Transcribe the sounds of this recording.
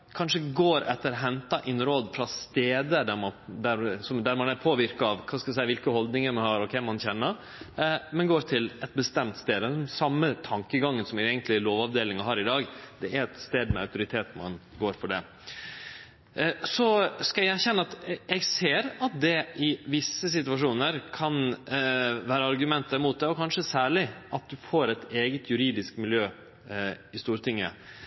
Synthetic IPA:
kʰɑnʂəɡoːɾɛt̪ːəɾɔɦɛnt̪ɑʔɪnɾoːd̪fɾɑst̪eːd̪əɖæɾmɑnd̪æɾsɔmd̪æɾmɑnæɾpʰoːʋɪɾkɑɑʋkʰɑːskɑd̪ɛsæɪəʋɪlkəhɔld̪nɪŋəɾmɑnhɑɾɔkʰɛmːɑnçɛnːəɾ | mɛnɡoːɾt̪ʰɪlɛt̪̚bəst̪ɛmt̪st̪eːd̪əɛnsɑmːət̪ʰɑŋkəɡɑŋːənsɔmɛɡənt̪lɪloːʋɑʋd̪eːlɪŋɑɦɑːɾɪd̪ɑːɡd̪ɛæɾɛt̪st̪eːd̪mɛœʉt̪ʊɾɪt̪ʰeːt̪mɑ̰nɡoːɾfɔɖɛ̰ | sɔskɑææçɛnːəɑt̪ɛɡseːɾɑt̪̚d̪ɛɪʋɪsːəs̬ɪt̪ʉʋɑʂuːnəɾkʰɑn | ʋæːɾəɑɾɡʉmɛnt̪ːəɾmuːt̪̚d̪ɛɔkʰɑnʂəsæːɭɪʔɑt̪̚d̪ʉfoːɾɛt̪eːɡət̪ʰjʉɾiːd̪ɪskmɪljøː | ɪst̪uːɾət̪ɪŋːə̰

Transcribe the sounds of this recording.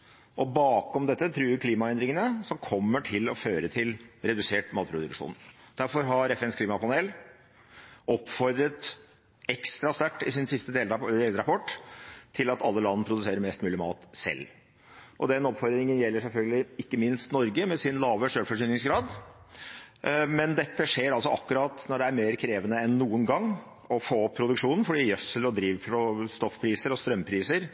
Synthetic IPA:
ʔɔbɑːkɔmd̪ɛt̪ːət̪ʰɾʉːɖɪkʰliːmɑɛnd̪ɾɪŋənəsɔmkʰɔmːəʈʰɪlɔføːɾət̪ʰɪlɾɛd̪ʉseːʈmɑːt̪̚pʰɾʊd̪ʉ̰kʂṵːn | d̪̥æɾfɔɾɦɑɾɛfɛnskʰliːmɑpʰɑneːl | ɔpːfɔɾd̪ɾət̪ | ɛkst̪ɾɑst̪æʈːɪsɪnsɪst̪əd̪eld̪eːləɾɑpʰɔʈːt̪ʰɪlɑt̪ɑlːəlɑnːəpʰɾʊd̪ʉseːɾəɾmɛst̪mʉːlɪmɑ̰ːt̪sɛ̰lː | ʔɔd̪ɛnɔpfɔɾd̪ɾɪŋənjɛlːəʂɛlfœlɡəlɪɪkːəmɪnst̪nɔɾɡəmɛsɪnlɑːʋəʂøːɽfɔʂyːnɪŋsɡɾɑːd̪ | mɛnd̪ɛt̪ːəʂeːɾɑls̬ɔʔɑkːʉɾɑːt̪nɔɖɛæɾmeːɾkʰɾeːʋənəɛnːuːənɡɑŋː | ɔfoːpʰɾʊd̪ʉkʂuːnən̩fɔɖiːjœsəlɔd̪ɾiːʋfɾɔst̪ɔfpʰɾiːsəɾɔst̪ɾœmːpʰɾiːsəɾ

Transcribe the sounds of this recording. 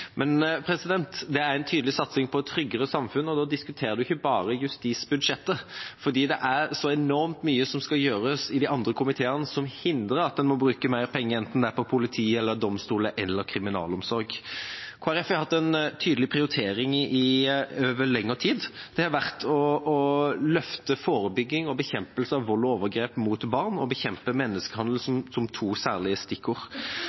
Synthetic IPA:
mɛnpʰɾɛsɪd̪ɛnt̪d̪ɛæɾɛnt̪ʰyːd̪lɪsɑt̪sɪŋpʰɔɛtt̪ʰːɾʏɡːəɾəsɑmfʉnɔd̪ɔːd̪ɪskʉt̪ʰeːɾəd̪ʉɪçːəbɑːɾəjʉst̪iːsbʉd̪ʂɛt̪ːəfɔd̪iːd̪ɛʔæɾsɔɛnɔɾmt̪myːəsɔmskɑjøːɾəsɪd̪ɪʔɑnd̪ɾəkʰʊmɪt̪ʰeːənəsɔmhɪnd̪ɾəɾɑt̪̚d̪ɛnmɔbɾʉːkəmæɪɾpʰɛŋːəɛnt̪n̩d̪ɛæpʰɔpʰʊlɪt̪ʰiːɛlːəɾd̪ɔmst̪uːləʔɛlːəɾkʰɾɪmɪnɑ̰ːlɔmsɔɾɡkʰʊːæɾɛfjæɪhɑt̪ːɛnt̪ʰyːd̪əlɪpʰɾɪʊɾɪt̪ʰeːɾɪŋɪɪøːʋəlɛŋːət̪ʰiːd̪d̪̥ɛhɑʋæʁt̪ʰɔɔlœft̪əfoːɾəbʏɡːɪŋɔbəçɛmpəlsəɑʋːɔlːoːʋəɾɡɾeːpmuːt̪bɑʁnɔbəçɛmpəmɛnːəskəhɑnd̪l̩sɔmsɔmt̪ʰuːsæːʁlɪəst̪ɪkːʊɾ

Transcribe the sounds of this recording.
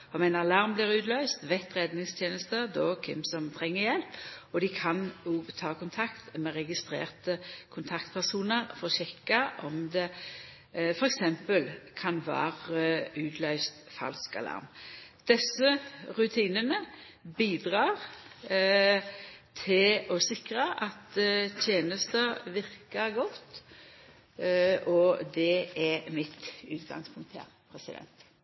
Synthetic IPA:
ɔmæɪnɑɑlɑʁmbliːʁʉːd̪lœʏst̪ʋɛt̪ʁɛd̪nɪŋst̪ʰjeːnəst̪əd̪ɔːkʰɪ̰msɔmt̪ʰʁɛŋːəjɛlpɔd̪ɪkʰɑnoːɡt̪ʰɑːkʊnt̪ʰɑkt̪mɛʁɛɡɪst̪ɾḛːʁt̪əkʰʊnt̪ʰɑkt̪pʰæʁsuːnəʁfɔɾɔɕɛkːɑʔɔmd̪ɛ | fɔɾɛksɛmpəlkʰɑnʋɑ̰ːʁəʉːt̪lœʏst̪fɑ̰lskɑ̰lɑ̰ʁmd̪̥ɛsːəʁʉt̪ʰiːnənə | biːd̪ʁɑːʁ | t̪ʰɪlɔsɪkʁɑʔɑt̪t̪ʰjeːnəst̪əʋɪʁkəɡɔt̪ː | ɔd̪ɛɛmɪt̪ʉ̰ːt̪ɡɑ̰ŋspʰʊŋk̚t̪hæ̰ʁpʰɾɛsɪd̪ɛ̰nt̪

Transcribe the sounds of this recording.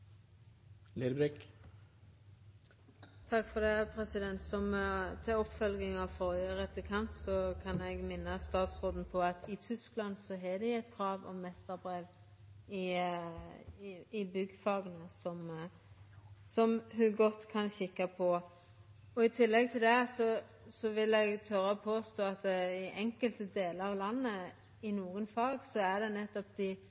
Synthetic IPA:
led̪bɾɪk | t̪ʰɑkːfɔd̪ɛpʰɾɛsɪd̪ɛnt̪sɔmt̪ʰɪɔpfœlɡɪŋɑfɔʁjəʁɛplɪkʰɑnt̪sɔkʰɑnɛɡmɪnːəst̪ɑːt̪sʁoːd̪n̩pʰɔɑt̪ɪt̪ʰʏsklɑnsɔɦɛd̪ɛɛɪt̪kʰʁɑːʋɔ̰mmɛst̪əʁbʁeːʋ | ɪ | ɪbʏɡfɑɡənəsɔm | sɔmɦʉɡɔt̪ːkʰɑnçɪkːɑpʰɔ | ɔɪt̪ʰɪlːɛɡ̚t̪ʰɪld̪ɛsɔ | sɔʋɪlɛɡt̪ʰœɾəɔpʰoːst̪oːɑt̪̚d̪ɛɪʔɛŋkəlt̪əd̪eːləɾɑʋlɑnːə | ɪnuːɡənfɑːɡsɔæd̪ɛnɛt̪ːɔpd̪ɪ

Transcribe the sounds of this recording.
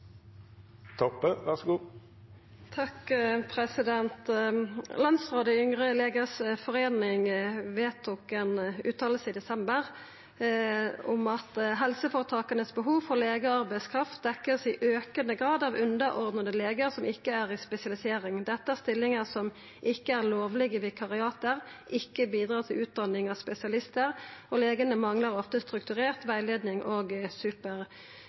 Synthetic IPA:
t̪ʰɔpːəʋæʁsɡuː | t̪ʰɑkpʰʁɛsɪd̪ɛnt̪ | lɑnsʁoːd̪əʏŋʁəleːɡəsfɔʁeːnɪŋʋeːt̪ʰʊkənʉːt̪ʰɑːləsəid̪ɛsɛmbəʁ | ʊmɑt̪ɦɛlsəfɔʁt̪ʰɑːkənəsbəɦuːʋfɔleːɡəɑʁbæɪskʰɾɑft̪̚d̪ɛkːəʁsɪʔøːkənəɡʁɑːd̪ɑʋʉnd̪əɾʔɔʁd̪nəd̪əleːɡəʁsɔmɪkːəæʁɪspɛsɪɑlɪseːɾɪŋd̪ɛt̪ːəæʁst̪ɪlːɪŋəsɔm | ʔɪkːəæʁloːʋlɪɡəʋɪkʰɑʁɪɑːt̪əɾʔɪkːəbiːd̪ɾɑːt̪ʰɪlʉːt̪̚d̪ɑnːɪŋɑʋspɛsɪɑlɪst̪əʁɔleːɡənəmɑŋləɾɔft̪əst̪ɾʉk̚t̪ʉʁeːʁt̪ʋæɪleːd̪nɪŋʔoːɡsʉːpəʁ

